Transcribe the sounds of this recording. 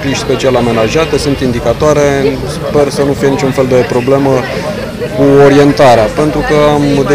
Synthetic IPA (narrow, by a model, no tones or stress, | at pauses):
piʃspe̞t͡ʃialame̞naʒiat̪e̞sunt̪ind̪ikat̪oaɾe̞ | spe̞rsənufijeit͡ʃʲunfe̞ld̪e̞pɾo̞ble̞mə | kuo̞ɾie̞nt̪aɾeape̞nt̪ɾukəamd̪e